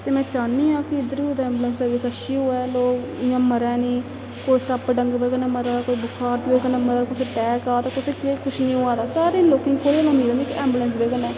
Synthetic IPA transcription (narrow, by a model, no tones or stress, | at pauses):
t̪eːmɛ̃ːt͡ʃaːniːãːkɪɪd̪əɾioːd̪aɛ̃ːmblənsəɾʋɪsəʃiːɦoːɛːloːkɪãːməɾɛːnĩː | koːiːsəpɖə̃ŋɡʋeːɡəneːməɾaːkoːiːbʊkʰaːɾt̪iʋeːkənãːməɾaːkʊseːʈɛːkaːt̪ãːkʊseːkekʰʊʃnĩːoːaːd̪aːsaːɾiːloːkɪ̃ŋɡkʰoːɾilõːnd̪iːɾə̃nd̪iːkɛ̃ːmblənsʋeːɡənɛː